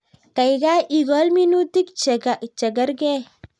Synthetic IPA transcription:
ka˨jɡa˦ʔi˨ɡɔ˦lmi˦nu˦t̪i˦kt͡ʃɐ˨ɡɐ˦ɾɡe˦

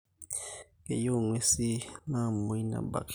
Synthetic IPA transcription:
kḛ˨jo˦˨ŋwe˦si˦na˦˨mo˨i˦na̰˨ba̰˨k

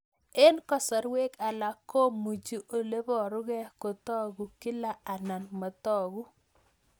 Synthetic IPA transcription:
e˦nkɔ˦˨sɔ˨ɾwe˦ka˨la˨ko˦mu˨d͡ʒi˦ʔo˨le˦bɔ˨ɾʊ˦ɣɛ˦ko˨t̪ɔ˦ɡu˨ki˦la˦˨a˨na˨nmɔ˨tɔ˦˨ɣu˦

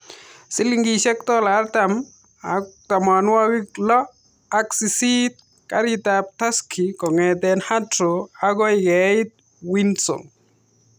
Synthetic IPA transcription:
sɪ˦liŋɡiʃɛ˦kt̪ɔ˦la˦ɾt̪am | at̪a˨ma˨nwa˦ɡi˦klɔ˦ | a˦ksi˨sit̪̚ | ka̰ɾit̪ap̚t̪a˦skʰi˨kɔ˨ŋɛ˨t̪ɛnha˦tɾo˨a˦ɡɔ˦ɪɡɛɪt̪̚ | winsɔ̰˨ŋ

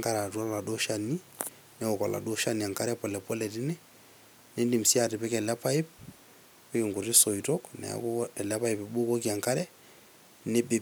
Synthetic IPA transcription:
ŋka˦ɾa˨tu˦a˦la˨do˦ʃa˨ni˦ | nɛ˦ɔ˨kɔ˨la̰˨do˦ʃa˦ni˨a˨ŋka˦ɾɛ˦pɔ˨lɛ˨pɔ˦lɛ˨ti˦nɛ˦ | ne˦ndi˨m̩si˦a˨ti˨pɛ˦kɛ˨la˦pa˦i˦p̚ | pɛ˦ke˨ŋɡu˨ti˦sɔ˨i˨tɔ˦knɛ̰˨a̰˦ku˦ɛ˨la˦pa˦i˨pɛ˨ɓo˦kɔ˦ki˦a˨ŋka˦ɾɛ˦ | nɛ˦be˨

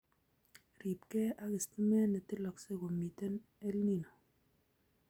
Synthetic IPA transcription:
ɾi˨p̚kɛ˦a˦ki˨sti˦mɛ˦ne˨ti˦lɔ˨kse˦ko˨mi˨te˦n | e˦lni˦˨no˨

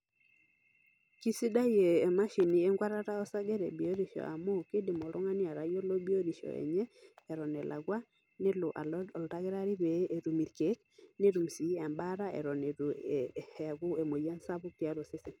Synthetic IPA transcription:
ki˦si˦da˦jeː˨ma˦ʃi˨ni˨˦e˦ŋɡwa˦ɾa˦ɾa˦ɔ˦sa˦ɡɛ˦ɾḛ˨bi˨o˦ɾi˦ʃɔ̰˨ʔa˨mo˦˨ke˦dɪ˨mɔ˨lɔ˦ŋa˦nɪ˦a˨ɾa˨jo˦lo˦bi˦o˦ɾi˨ʃɔ̰˨ɛ̰˨ɲɛː˦˨ɾɔ˨nɛ˨lʔa̰˨ɡwa˦ | nɪ˦lʊ˨ʔa̰˨lɔ˨lta˦ɡɛ˦ɾa˦ɾɪ˦ɾe˨˦ʔe˨ɾu˨mi˨ɾke˦k̚ | ne˦ɾu˨msi˨˦a˨mba˦ɾa˦ɛ̰˨ɾɔ˨ne˨ɾu˨hɛ˨ɡʊ˦e˨mo˨ja˦nsa˦bʊ˦tja˦ɾo˨sɪ˦sɪ˨n

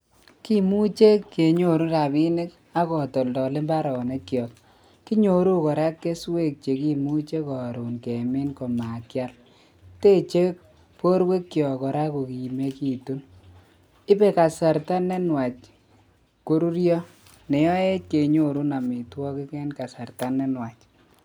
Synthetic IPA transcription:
ki˦mu˦t͡ʃe˦kːe˨ɲo˨ɾu˦ɾa˨bi˦ne˦k | a˦kɔ˨tɔ˨ldɔ˨le˦mba˦ɾɔ˨ne˦kːjɔ˨k | ki˦ɲo˨ɾu˦kɔ˨ɾa˦kːe˦swe˦k̚t͡ʃe˨ki˦mu˦t͡ʃe˦kɔ˨ɾu˨nke˨mɪ˦nkɔ˨ma˨kja˦l | te˦t͡ʃe˦k̚ | po˦ɾwe˦kːjɔ˨kɔ˨ɾa˦ko˨ki˨me˦ki˨tu˦n | ɪ˦be˦ka˨sa˨ɾta˦ne˦nwa˨t͡ʃ | ko˦ɾu˦ɾjɔ˦ | ne˨jɔ˦e˦t̚ke˨ɲo˦ɾu˦na˨mi˨twɔ˦ki˦kɛ˦nka˨sa˨rta˦ne˦nwa˨t͡ʃ

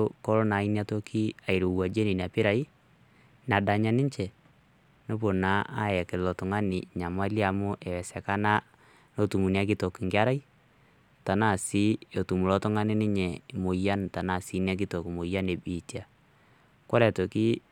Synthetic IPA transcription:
o˦kɔ˦ɾo˦na˨i˦n˦a˦to˦kʰi˦a˨i˨ɾo˨wa˨d͡ʒe˦ni˨n˨a˨pɪ˦ɾa˨i˦ | na˨da˨ɲa˦nɪ˦ɲt͡ʃɛ˨ | no˦bo˨na˦ʔa̰˦ɛ˨ke˨lɔ˨tʊ˨ŋa˦nɪ˨ɲa˨ma˦li˦a˨mʊ˦ʔɛ˨wɛ˨sɛ˨ka˦na˦ | no˦tu˨mu˨n˦a˦k̬i˦to˨kɪ˨ŋɡɪ˦a˦ɾa˦i˦ | ta˨na˦˨si˦o˨tu˨mu˨lɔ˦tɔ˦ŋa˦nɪ˦nɪ˦ɲɛ˨mo˨ja˦n˨ta˨na˨si˨˦ni˦a˦k̬ɪ˦to˨kɪ˨mo˨ja˦ne˨bi˨tja˨ | ko˦ɾɛ˨to˨ki˦

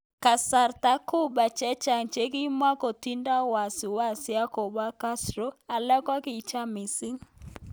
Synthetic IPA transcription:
ka˨sa˨ɾta˨˦ku˦ɓa˨t͡ʃɛ˦t͡ʃa˨ŋt͡ʃe˦k̬i˦mwa˦ko˨ti˦nda˦wa˨si˨wa˦sja˦ko˨ba˦ka˦sɾɔ˦a˨lɛ˦kwa˦ki˨t͡ʃa˦mɪ˨si˦ŋ

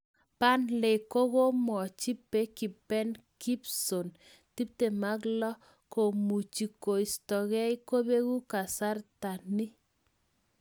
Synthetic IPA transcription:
pa˦nle˨ko˦ko˦mɔ˨t͡ʃi˦pe˦ki˨pɛ˦n | ki˦pso˨n | ti˦p̚te˨ma˦k̬lɔ˦ | ko˨mu˨t͡ʃi˨ko˨i˨stɔ˨kɛ˦i˦ko˦be˦ku˦ka˨sa˦rta˨ni˦

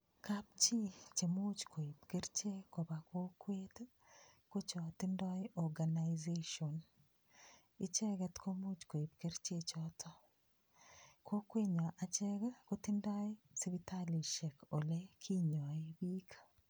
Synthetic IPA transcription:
kap̚t͡ʃi˦t͡ʃe˨mu˦t͡ʃko˨e˨pke˦ɾt͡ʃe˦ko˨ba˨ko˦kwet | ko˦t͡ʃɔtɪ˦ndɔ˦e˦ʔɔ˨ɡa˨na˨jzeʃɔn | ɪ˦t͡ʃɛ˦ɡɛ˦tkʰo˦mu˦t͡ʃko˨e˨p̚ke˦ɾt͡ʃe˦t͡ʃɔtʰɔ˦ | kʰo˦kwe˦ɲɔ˨ʔa˨t͡ʃɛ˦ɡko˦tɪndɔ˦e˦ | si˦βi˦tali˨ʃɛ˨ko˨le˦kʰi˦ɲɔ˨e˦bi˦kḁ

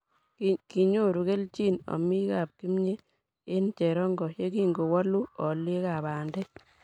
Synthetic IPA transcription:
kki˨ɲo˦ɾu˨ke˦lt͡ʃi˦˨nɔ̰˨mi˦ka˨p̚ki˦mɲe˦ | ɪ˦nt͡ʃe˨ɾɔ˦ŋɡɔ˨ʃe˦ki˦ŋɡo˨wa˦lu˦ɔ˨le˦ka˨ba˨ndɛ˦

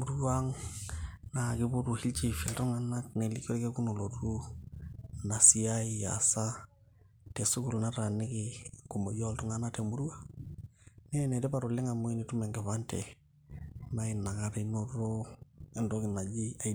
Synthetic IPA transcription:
mu˨ɾu˦wa˦ŋ | na˨kɪ˦bu˦ɾu˨hi˦lt͡ʃi˦fɛ˨ltɔ˦ŋa˨na˦kne˨li˦kɔ˦ɾke˦ku˦no˨lo˨ɾu˦ | na˨si˦a˦ija̰sa˦ | tɛ˨su˦ku˨lna˦ɾa˨nɪ˦kɪku˨mo˨jɔ˦ltɔ˦ŋa˨na˦tɛ˨mu˦ɾu˦wa˦ | nɛ˦nɛ˨tɛ˦ba˨ɾo˨lɛ˦ŋa˨mo˦i˦ni˨tu˦mɛ˨ŋɡɛ˨βa˦ntɛ˨ | ma˦i˨na˨ŋa˦ɾe˨no˦ɾo˦ɛ˦ndɔ˦kɪ˨na˨d͡ʒi˦a˨˦

